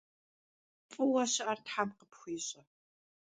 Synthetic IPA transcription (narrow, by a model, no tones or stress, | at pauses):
fʼɨwaɕɐʔartħamqəpxʷiːɕʼɐ